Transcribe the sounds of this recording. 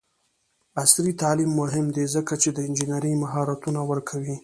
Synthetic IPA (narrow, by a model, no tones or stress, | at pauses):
asɾit̪ɑlimːʊɦɪmd̪ezəkat͡ʃed̪əɪnd͡ʒinaɾimaɦɑɾat̪unawəɾkʰawi